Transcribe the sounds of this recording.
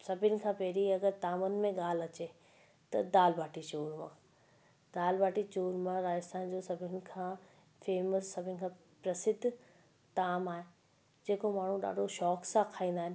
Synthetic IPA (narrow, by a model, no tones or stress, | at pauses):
sɐbʱɪnɪ̆kʰãːpɛɦɾiɐɡəɾt̪aːmənɪ̆mẽɠaːl̤ɐt͡ɕe | t̪ɐ̰d̪aːlbaːʈit͡ɕoːɾmã̰ː | d̪aːlbaːʈit͡ɕoːɾmãɾaːd͡ʑəst̪ʰaːnd͡ʑoːsɐbʱɪnɪ̆kʰãː | feːməsːɐbʱɪnɪkʰã | pɾɐsɪd̪ʱ | t̪aːmaːɦe | d͡ʑeːkomaːɳ̤ũɗa̰ːɖoʃɔːksãkʰaːĩːnd̪aːɦɪnɪ